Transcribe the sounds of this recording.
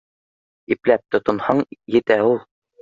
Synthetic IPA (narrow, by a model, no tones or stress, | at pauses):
iplæp̚t̪ŏt̪ŏnhɑɴjɘ̆t̪æulˠ